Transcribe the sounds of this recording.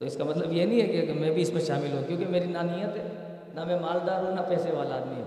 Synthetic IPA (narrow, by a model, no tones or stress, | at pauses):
t̪oɪskamɐt̪ləbjenɦĩɦɛkemɛ̃bʱiɪsmẽʃaːmɪlɦũkjõːkemeːɾinanijət̪ɦɛ | nɐmɛ̃maːld̪aːɾɦõnɐpɛːseʋaːlaːd̪miɦɛ̰